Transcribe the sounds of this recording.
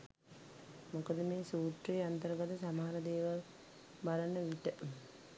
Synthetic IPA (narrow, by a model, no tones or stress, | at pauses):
mokəd̪əmeːsuːʈrejant̪əɾəɡat̪əsamaɦaɾəd̪eːʋal | balənəʋiʈə